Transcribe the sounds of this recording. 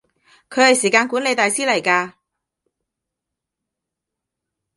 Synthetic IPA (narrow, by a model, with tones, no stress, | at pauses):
kʰɵ˨˧ɥhɐ˨jsiː˨˩kaː˧nkuː˨˥nle˨˧jt̪aː˨jsiː˥lɐ˨˩jkaː˧